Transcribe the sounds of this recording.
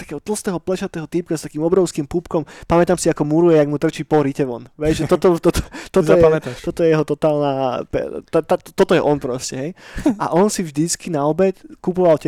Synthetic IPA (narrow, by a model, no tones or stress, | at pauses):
t̪ḁkɛːɦɔt̪l̩ˠst̪ɛːɦɔplɛʃat̪ɛːɦɔt̪ipkast̪akiːmɔbɾɔʊskimpupkɔmpamɛt̪aːmsiakɔmuɾujɛjaɡmut̪r̩t͡ʃiːpɔɦɾicɛʋɔnʋɛjʒɛt̪ɔt̪ɔt̪ɔt̪ɔt̪ɔɔjɛamɛt̪aʃt̪ɔt̪ɔjɛjɛɦɔt̪ɔt̪aːlnaːpɛ̰t̪at̪at̪t̪ɔt̪ɔjɛʔɔnpɾɔscɛɦɛjʔa̰ʔɔnsivʒd̪it͡skinaɔbɛckupɔʋalc